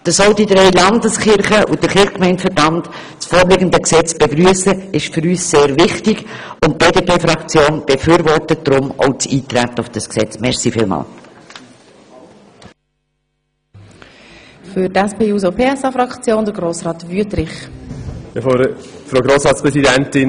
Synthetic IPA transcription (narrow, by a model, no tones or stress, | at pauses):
d̥əsɔʊdidɾɛɪlɑndəsχɪɾχəʔud̥əɾχɪχkmɛɪntfəbɑnd | t͡sfoːɾlɪːɡəndəksɛt͡sb̥eɡɾyəsəɪʃfʏɾyːsːeːɾvɪχtɪɡ̥ʊnt̚b̥eːdepeːfɾɑkt͡sjoːnb̥efyːɾvɔrtət̚d̥ɾʊmɔ̰ʊt͡siːt̪ɾætəufd̥ɑsksɛt͡smɛʁsifiːlmɑ̰ːl | fʏɾtæspʰeːuːzopʰeːɛsɑfɾɑkt͡sjoːnd̪əɾɡɾoːsɾɑːt̪vyətɾɪχ | efoɾfɾoːɡɾoːsɾɑːtt͡spɾɛsidɛntɪn